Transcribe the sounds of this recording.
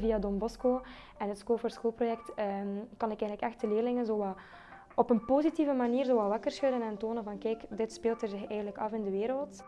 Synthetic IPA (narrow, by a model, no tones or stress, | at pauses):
viadɔmbɔskoː | ɛnətskoːfərskoːlˠprojɛk̚təmkɑnɪkɛːənləkɛxtəleːrlɪŋənzoːwɑ | ɔpənpozitivəmaniːrzoːʋɑʋɑkərsxœɥdənɛntoːnənvɑnkɛːkdɪtspeːlˠtərzɪxɛːɣəntləkɑfɪndəʋeːɾəlˠt